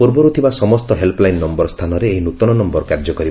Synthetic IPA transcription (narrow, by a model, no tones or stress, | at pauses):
puɾbɔɾut̪ʰibasɔmɔst̪ɔɦelplajnːɔmbɔɾst̪ʰanɔɾeːɦinut̪ɔnɔnɔmbɔɾɔkaɾd͡ʒɔkɔɾib